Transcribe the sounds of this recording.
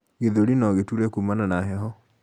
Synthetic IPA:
ɣeðoɾinɔɣetuɾɛkumananaɦɛɦɔ

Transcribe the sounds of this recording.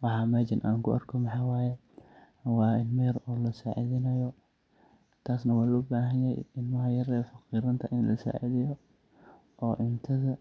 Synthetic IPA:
wɑħɑːmat͡ʃɪnʔa̰ːŋkʰʊʔɐ̰rkʰɔmɑħɑjwaːjɛ | wɑːɪnmɐɾɔːlɐsaːʕɪðɪnɐjɔ | t̪ʰaːsnɐwɑːlɔːbaːɦɐnjɐj̰ɪnmɐɦɐjɐrɛːfɑqiːɾɐnt̪ʰɐʔɪnlɐ̰sa̰ːʕɪ̰ðɪjɔ | ʔɔːʔɪmt̪ʰɐðɐ

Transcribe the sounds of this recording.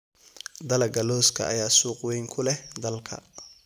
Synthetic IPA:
d̪ɐlɐɡɐlɔːskʰɐ̰ʔɐ̰jaːsuːqwɛjŋkʰʊlɛd̪ɐlkʰɐ̰

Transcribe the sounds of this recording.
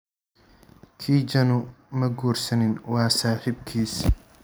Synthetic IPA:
kʰiːd͡ʒɐnʊmɐɡuːrsɐnɪnwɑːsaːħɪbkʰiːs

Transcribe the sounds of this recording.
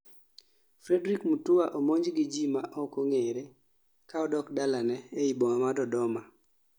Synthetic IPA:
fɾɛdɾikmutuwaʔomoɲd͡ʒɡɪd͡ʒimaʔɔkoŋeɾe | kaɔdɔkdalanɛeiboŋamadɔdɔma

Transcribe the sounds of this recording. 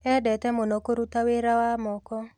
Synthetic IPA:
ɛdɛtɛmonɔkoɾutaweɾawamɔkɔ

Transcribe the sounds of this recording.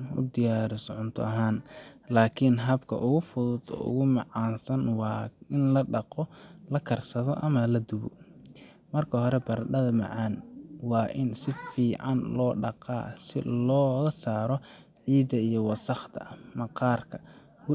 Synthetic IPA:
ʊ̰d̪ɪjaːɾɪsʕʊnt̪ʰɔ̰ɐɦaːnlaːkʰɪnɦɐbkʰɐ̰ʔʊɣʊfʊðʊd̪ɔ̰ːʔʊ̰ɣʊmɑʕɑːnsɐnwɑɪnlɐɖɑqɔlɐkʰɐrsɐðɔ̰ʔɐmɐlɐd̪ʊβɔ̰ | mɐrkʰɐɦɔɾɛbɐrɖɐðɐmɑ̰ʕɑːnwɑːʔɪnsɪfiːʕɑnlɔːɖɑqɑ̰ːsɪ̰lɔːɣɐsaːɾɔ | ʕiːd̪ɐijɔwɑsɑχt̪ʰɐ̰mɑqɑːrkʰɐ

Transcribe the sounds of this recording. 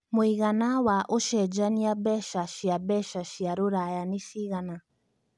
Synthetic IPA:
muiɣanawaʔoʃɛd͡ʒaniabɛʃaʃiabɛʃaʃiaɾuɾajanifiɣana

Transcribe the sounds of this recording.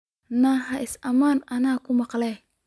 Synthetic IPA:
nɐɦɐʔɪsɐmaːnɐnaːkʰʊmɑqlɛj

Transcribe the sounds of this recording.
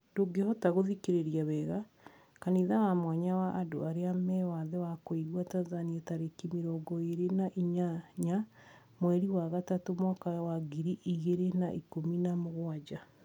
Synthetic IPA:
doɡehɔtaɣoðikeɾeɾiaβɛːɣa | kaniðawamwaɲawaʔːdo̰aɾeamɛwaðewakoiɣwataːnzanietaɾekimiɾɔɡɔeɾenaʔiɲaɲa | mwɛɾiwaɣatatomɔkawaɡiɾiʔiɣeɾenaʔikominamoɣwad͡ʑa

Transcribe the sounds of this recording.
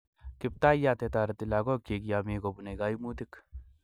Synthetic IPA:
kɪp̚t̪aːijaːt̪et̪aːɾɐt̪ilaːɡokeːkjaːmeːɡobuneɡaːimuːt̪ik

